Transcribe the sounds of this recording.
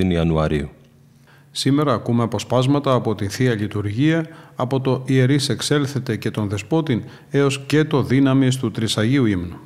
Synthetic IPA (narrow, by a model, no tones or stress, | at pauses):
iniɐnuɐɾiu | sime̞ɾɐːkume̞ɐpo̞spɐzmɐt̪ɐːpo̞t̪inθiɐʎit̪uɾʝiɐːpot̪o̞ʔie̞ɾise̞kse̞lθe̞t̪e̞ce̞t̪o̞nðe̞spo̞t̪in | e̞o̞sce̞t̪o̞ðinɐmist̪ut̪ɾisɐʝiuimnu